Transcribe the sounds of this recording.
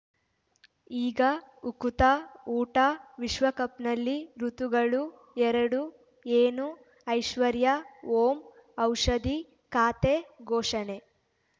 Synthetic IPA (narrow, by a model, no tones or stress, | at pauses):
iːɡɐukut̪ɐuːʈɐʋiʃʋɐkɐpnɐlːiɾut̪uɡɐɭu | ɛɾɐɽu | eːnu | ɐjʃʋɐɾjɐoːmɐwʂɐd̪i | kaːt̪eɡʱoːʂɐne